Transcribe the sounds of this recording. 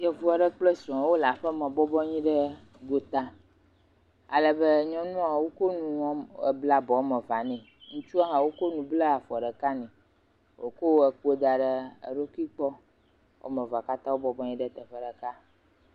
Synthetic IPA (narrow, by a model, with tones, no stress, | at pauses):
jɛ˨vu˨˦a˨ɖə˦k͡plə˦sɾɔ̃˨˦wo˦la˨ɸə˦mɛ̃˨bɔ˦bɔ˦ɲĩ˦ɖə˦ | ɡo˦t̪a˦ | a̰˨lə˨bə˦ɲɔ̃˦nũ˦a˨wo˦ko˦nũ˦˨bla˦bɔ˨wo˦mɛ̃˨va˨nɛ̃˨ | ŋũ˦t͡ʃu˦a˦ɦã˨wo˦ko˦nũ˨blə˦a˨fɔ˨ɖə˨ka˦nĩ˨ | wo̰˨ko˦wɛ˨k͡po˦d̪a˨ɖə˦ə̰˨ɖo˦kʷi˦k͡pɔ˦ | wʔo̰˦mə̃˨va˨ka˦t̪ã˦wo˦bɔ˦bɔ˦ɲĩ˦ɖɛ˦t̪ə˨ɸə˦ɖə˨ka˦